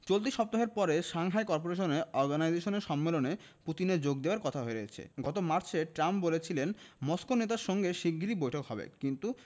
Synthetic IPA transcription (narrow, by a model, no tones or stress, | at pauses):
t͡ɕolt̪̬iʃɔp̚t̪oɦeɾpɔɾeʃaŋɦaekɔɾpoɾeʃ̬oneɔɾɡanajzeʃoneɾʃɔmːelone | pɾut̪ineɾd͡ʑoɡ̚d̪eoaɾkɔt̪ʰaɦoeɾoet͡ɕʰḛɡɔt̪omaɾt͡ɕʰeʈɾambolet͡ɕʰilenmoskonet̪aɾʃɔŋɡeʃikːiɾibojʈʰokɦɔbḛkint̪u